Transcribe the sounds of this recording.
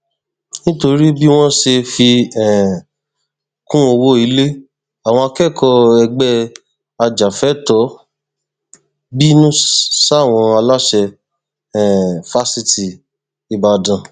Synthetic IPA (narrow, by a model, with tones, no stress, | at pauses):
nĩ˦to˧ɾi˦bi˦w̃ɔ̃˦ʃe˧fi˧ɛ̃˨ | kũ˦o˧wo˦i˨˦le˦ | a˨w̃ɔ̃˧a˧kɛ˦˨kʰɔ˧ɛ˧ɡ͡bɛ˦ | a˧d͡ʒa˨fɛ˨˦tɔ˨˦ | bi˦nũ˦sa˦˨w̃ɔ̃˧a˧la˦ʃɛ˧ | ɛ˨fa˦si˧ti˨ | i˨ba˧dã˨